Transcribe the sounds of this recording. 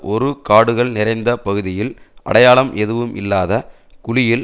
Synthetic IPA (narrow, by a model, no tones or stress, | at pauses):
ʔɔɾɯkaːɽɯɣɐɭnɪɾɐɪnd̪ɐpɐɣɯðɪjɪl | ʔɐ̰ɽɐjaːɭɐmʔɛðɯʋɯmʔɪ̰lːaːðɐ | kʊɻɪjɪl